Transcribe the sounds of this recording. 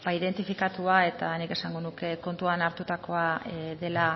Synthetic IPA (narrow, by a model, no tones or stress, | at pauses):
baiðe̞nt̪ifikat̪uae̞t̪anike̞saŋɡo̞nuke̞ko̞nt̪uanaɾt̪ut̪ako̞aðe̞la